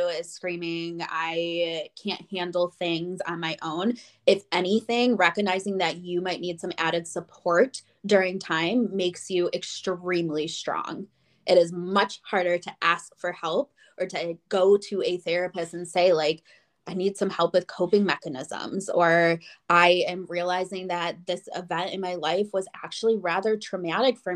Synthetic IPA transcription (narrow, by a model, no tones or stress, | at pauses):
ɪz̥skɹĩmɪ̃ŋa̰ɪkʰæ̃nthæ̃ndˡl̩ˠθɪ̃ŋzn̩maɪʔõʊ̃n | ɨfɛñiθɪ̃ŋɹɛkɨɡ̚naɪzɪ̃ŋðɨt͡ʃɨmaɪtⁿnid̥sʌ̃mæɾɨd̥səpʰɔɹt | d̥ʊɹɪ̃ŋtʰãɪ̃mːeɪksjɨʔɨkstɹĩmlistɹ̥ɔ̰̃ŋ | ʔɨɾɨzmʌt͡ʃhɑɹɾə˞ɾɨʔæskfə˞hɛlˠp̚ | ə˞ɾɨɡ̥oʊɾɨɨθɛɹɨpɨstɨ̃n̩seɪlaɪk | ʔaɪnid̥sʌ̃mhɛlˠpwɨð̥kʰoʊpɪ̃ŋmɛkɨnɪ̰zə̰̃mzə˞ʔaɪɨ̃mɹiəlaɪzɪ̃ŋðɨt̪̚ðɪsɪ̰vɛ̃ntɨ̃nmaɪlaɪfwʌzæ̰k̚t͡ʃul̩ˠiɹæðə˞tʰɹ̥ɨmæɾɨkfə˞